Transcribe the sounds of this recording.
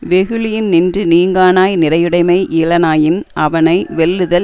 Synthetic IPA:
ʋɛɣɯɭɪjɪnnɪndrɯniːŋɡaːnaːjnɪrɐjɯɽɐɪmɐɪʔɪlɐnaːjɪnʔɐʋɐnɐɪʋɛlːɯðɐl

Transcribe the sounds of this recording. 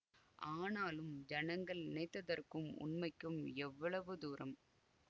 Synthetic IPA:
ʔaːnaːlɯmd͡ʒɐnɐŋɡɐɭɪnɛɪt̪ːɐðɐrkɯmʊ̰nmɐɪkːɯmɛʋːɐɭɐʋɯd̪uːɾɐm

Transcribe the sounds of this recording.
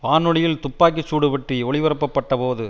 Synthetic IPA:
paːnɯɽɐjɪlt̪ʊpːaːk̬ːit͡ʃːuːɽɯpɐʈriɔɭɪʋɐɾɐpːɐpːɐʈːɐpoːðɯ

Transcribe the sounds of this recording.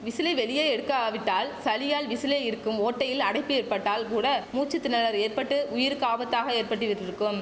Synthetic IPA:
ʋɪsɪlɐɪʋɛɭɪjɐːɛɽɯkːaːʋɪʈːaːlsɐlɪjaːlʋɪsɪleːɪɾɯkːɯmoːʈːɐjɪlɐɽɐɪpːɯeːrpɐʈːaːlkuːɽɐmuːt͡ʃːɯt̪ːɪnːɐlɐɾeːrpɐʈːɯʊjɪɾkaːbɐt̪ːaːɣɐeːrpɐʈːɯʋɪʈːrɪɾɯkːɯm

